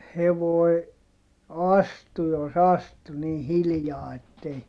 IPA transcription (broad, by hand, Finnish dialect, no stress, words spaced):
heʋoi̯ ɑstu jos ɑstu niː hilĭjɑː etːei